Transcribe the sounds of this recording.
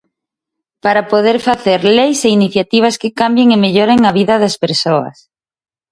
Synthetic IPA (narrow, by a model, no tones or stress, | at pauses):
paɾapoðeɾfaθeɾlejseiniθjat̪iβ̞ɐskɪkambjeŋemeʎoɾeŋɐβiðɐðɐspeɾsoɐ̰s